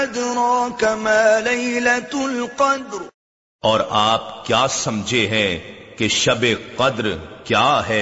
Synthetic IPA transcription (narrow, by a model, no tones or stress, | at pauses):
ɐd̪ɾɔːkɐmaːlɐjlɐt̪ʊlqɑd̪ɾ | ɔːɾaːp̚kjaːsɐmd͡ʒʱeɦɛ̃keʃɐbeqɐd̪ɾkjaːɦɛː